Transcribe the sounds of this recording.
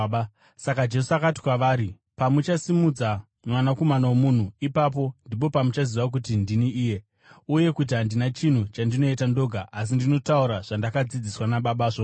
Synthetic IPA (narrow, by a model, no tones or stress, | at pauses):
sakad͡ʒe̞suakati̥kwaʋaːɾi | pamut͡ʃasimud͡za | mwanako̞manawomun̤uipap̬o̞ndip̬o̞pamut͡ʃaziʋak̬utindiniiːje̞ | uje̞kut̬iɦandinat͡ʃin̤ut͡ʃandino̞itando̞ːɡʱaʔas̬indino̞tauɾaʐ̥andakad͡zid͡ziswanaɓaɓaːʐo